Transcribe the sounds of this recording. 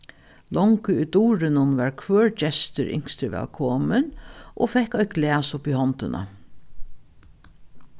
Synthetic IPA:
lɔŋkəujt̪uːɾɪnʊnʋaɹkʰʋœːɹt͡ʃɛst̪ɪɾɪ̰ŋst̪ɾɪʋɛ̰ːlkʰɔːmɪnʔofɛhkɔjɡlæːsʊpihɔnt̪ɪna̰

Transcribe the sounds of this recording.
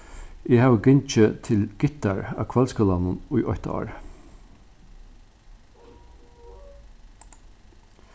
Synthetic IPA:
ɛhaːʋəɡɪnt͡ʃət̪ʰɪlɡ̥ɪt̪aɹa̰kʰvalskəlanʊnʊjʔɔ̰ht̪a̰ɑ̰ːɹ

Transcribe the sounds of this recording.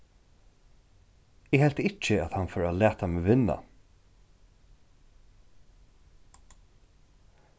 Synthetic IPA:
ɪɡhɛl̥t̪ɪt͡ʃɪæðhanfɔːɾalæːt̪ʰameːvɪnːa̰

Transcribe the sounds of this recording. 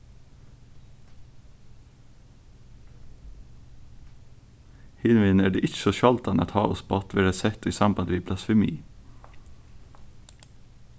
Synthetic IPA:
hɪnʋɪnæːɖeːʔɪçəsoʃɑlt̪ɑnɑ̰t̪hɑːʔɔspʰːɑt̪ʋɪːɾæsɛt̪ʰiːsɑmbɑnd̪əʋiːblɑsfɛmḭː

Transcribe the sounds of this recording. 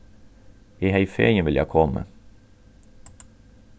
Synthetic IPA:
iːhæɪfḛːɲəʋɪljæ̰kʰɔmə̰

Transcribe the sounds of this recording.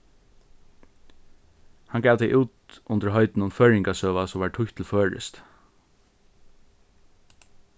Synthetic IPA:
hɑnɡæːʋd̪ɛɪʔʉːt̪ʔʊnt̪əɹɦœʏt̪n̩ʊnfœːɹɪŋkasœːʋasɔmʋɑːɹʈʰʊçt̪ʰl̩føːɹə̰st̪

